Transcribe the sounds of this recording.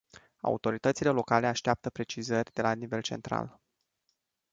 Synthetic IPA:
a̰ṵt̪o̞ɾit̪ət̪sile̞lo̞kale̞aʃt̪eap̚t̪əpɾe̞t͡ʃizərʲd̪e̞lanive̞lt͡ʃe̞nt̪ɾa̰l

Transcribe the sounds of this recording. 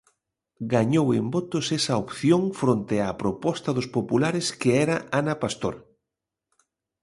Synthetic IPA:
ɡaɲowembot̪ʊsɛsɐopθjoŋfɾont̪eapɾopɔst̪ɐðʊspopulaɾɪskeɛɾɐʔanɐpast̪oɾ

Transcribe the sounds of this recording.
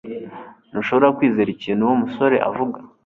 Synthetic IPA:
noʃo̞βoɾakwiːzeɾiciːn̤̥huwomuso̞ɾe̞̰ʔa̰vuɡa

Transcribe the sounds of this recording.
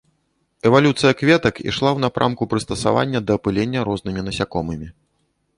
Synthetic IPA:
ɛvalʲut̪sɨjɐkvʲɛt̪ɐkḭʂlˠawnapɾʔa̰mkupɾɨst̪ɐsa̰va̰nʲːɐd̪ɐːpɨlʲenʲːɐɾɔznɨmʲinɐsʲakɔmɨmʲi

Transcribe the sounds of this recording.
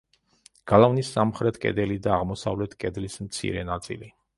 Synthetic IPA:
ɡ̥alˠavnisːamχɾɛt̪ʰkʼɛ̰d̪ɛlid̪aːʁmɔsa̰vlɛt̪ʰkʼɛd̪lismt̪sʰḭɾɛnat̪sʼḭli

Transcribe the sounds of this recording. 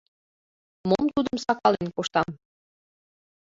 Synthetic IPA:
momt̪ud̪əmsɑkɑlenkoʃt̪ɑm

